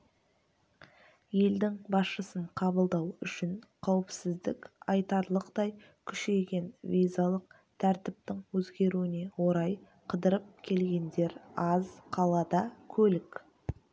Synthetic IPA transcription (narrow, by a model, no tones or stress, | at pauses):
je̞ld̪ɪŋbɑsʃəsəɴqʰɑbəlˠd̪ɑwʏʃɪɴqʰɑwɪpsɪzd̪ɪkɑjt̪ɑɾlˠəqt̪ɑj | kʲʰʏʃe̞jɡʲe̞nvʲijzalˠəq̚ | t̪ʰæɾt̪ɪp̚t̪ɪŋwɵzɡʲe̞ɾuwɪne̞wo̞ɾɑj | qʰəd̪əɾəp̚kʲʰe̞lɡʲe̞nd̪e̞ɾɑzqʰɑlˠɑd̪ɑkʲʰɵlɪk